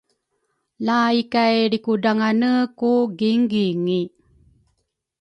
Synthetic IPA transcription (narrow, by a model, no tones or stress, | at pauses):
laikajɾikudaŋanəkuɡiŋɡiŋi